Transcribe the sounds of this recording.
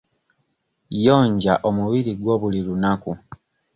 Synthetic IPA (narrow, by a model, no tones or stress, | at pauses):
jo̞ːɲɟaʔo̞muβiɾiɡwo̞ːβulilunaku